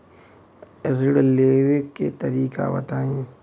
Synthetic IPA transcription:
ɾɪɽleːwekkːet̪ɐɾiːka̰bɐ̰t̪aːẽː

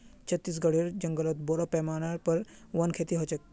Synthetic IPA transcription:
t͡ʃʰət̪ːis̬ɡɐɽiːɾd͡ʒɐŋɡəlot̪̚boɾopɛmaːnaɾpɐɾ | ʋɐnkʰeːt̪iɦot͡ʃek̚

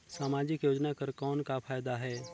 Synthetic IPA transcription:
saːmaːd͡ʒɪkjoːd͡ʒnakəɾkɔːnkapʰaːjd̪aɦɛː

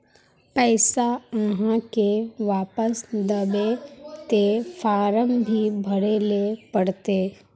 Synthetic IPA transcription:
pɛːsaəɦãkeʋaːpəsd̪əbet̪efʰaːɾəmbʱibʱəɽelepəɽt̪eː

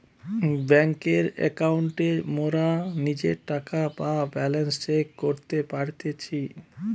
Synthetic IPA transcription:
bɛŋkeɾɛ̰kauɳʈemoɾanid͡ʑeɾʈakababɛlenst͡ʃekkoɾt̪epaɾt̪et͡ɕʰi

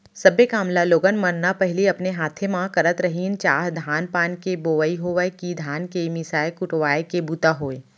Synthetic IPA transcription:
sɐbekaːmlaloːɡənmənnapɛɦɪliɐpneɦaːt̪ʰemãkɐɾət̪ɾɐɦiːnt͡ʃaːɦd̪ʱaːnpaːnkeboːʋəiɦoʋəjkid̪ʱaːnkemɪsaːekʊʈʋaːekebuːt̪aɦoːeː

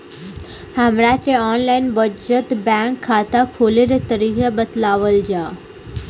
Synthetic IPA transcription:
həmɾateɔːnlaːɪnbəd͡ʑət̪bɛ̃ːŋkʰːaːt̪akʰoːleɾet̪əɾiːkebət̪laːʋəld͡ʑaː

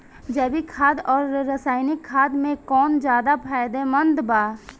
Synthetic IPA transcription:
d͡ʒəbikʰaːd̪ɔːɾːəsaːɪnɪkʰːaːd̪mẽkɔːnd͡ʒjaːd̪apʰaːɪd̪emə̃nd̪baː

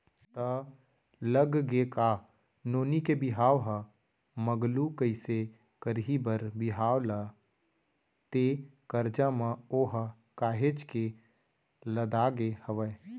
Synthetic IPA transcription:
t̪ə | ləɡɡeka | noːnikebɪɦaːʋɦə | məɡlukəɪse | kəɾɦibəɾbɪɦaːʋla | t̪ekəɾd͡ʒãmãoːɦə | kaːɦet͡ʃke | ləd̪aːɡehəʋə

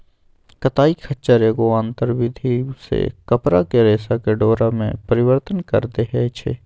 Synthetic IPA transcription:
kɐt̪aːikʰətːt͡ʃəɾekoãːnt̪əɾʋɪd̪ʱisḛkɐpɾakeɾeːsakeɖoːɾamḛ̃pɐɾɪwəɾt̪ənkə̰ɾt̪eɦɛt͡ʃʰḛː

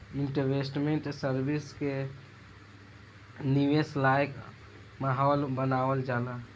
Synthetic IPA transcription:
iɳʈəʋesʈmeɳʈsəɾbiske | niʋeslajk | maɦɔːlbənaʋəld͡ʒala

